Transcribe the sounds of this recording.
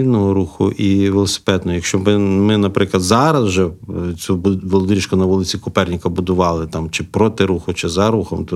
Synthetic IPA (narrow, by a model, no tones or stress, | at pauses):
inɔɦɔɾuxʊ̰ʔiʋelˠɔsɪ̥pɛd̪nɔɦɔjɐkʃt͡ʃɔbmɪnɐpɾɪklˠɐd̪zɑɾɐzwʒɛt͡sʲubʋɔlˠɔd̪ɾʲiʃkʊnɐʋɔlˠɪt͡sʲikʊpɛrnʲɪkɐbʊd̪ʊʋɑlˠɪt̪ɑmt͡ʃɪpɾɔt̪ɪɾuxʊt͡ʃɪzɐɾuxɔ̰mt̪ɔ